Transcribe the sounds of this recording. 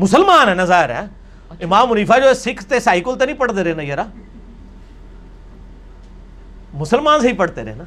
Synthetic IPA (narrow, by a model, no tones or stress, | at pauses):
mʊsəlmaːnɛːnãzaːɦɪɾɛ̰ː | ɪmaːmʊniːpʰaːd͡ʒoːɛsɪkʰt̪eːsaːiːkolt̪eːnĩːpəɽd̪eːɾeːnajəɾaː | mʊsəlmaːnsəiːpəɽd̪eːɾḛːnaː